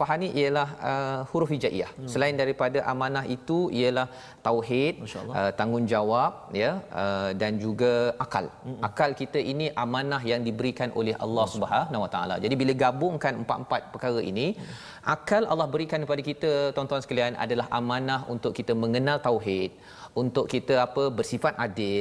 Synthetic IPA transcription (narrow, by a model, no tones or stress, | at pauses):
paɦaniʔiəlahəhuɾufid͡ʒaʔḭa̰hsəlaɪndaɾipadaʔamãnãɦit̪uʔḭjəlah | t̪awɦɪt̪̚ːət̪aŋʊnd͡ʒawap̚jəədand͡ʒuɡaaka̰lʔakalkit̪əʔiniʔamãnaɦjaŋdibəɾikanʔo̰lɛɦʔa̰lːɑhsubəɦanawat̪aa̰la̰d͡ʒadibiləɡabʊŋkanəmpat̪̚əmpat̪̚pəkaɾəʔḭnĩ | ʔakalʔa̰lːɑhbəɾikankəpadakit̪ət̪ɔnt̪ɔansə̥kəlianʔa̰dalaɦʔamãnaɦunt̪ʊʔkit̪əmə̃ŋənalt̪awɦɪt̪̚ | unt̪ʊʔkit̪əapəbərsifat̪adɪl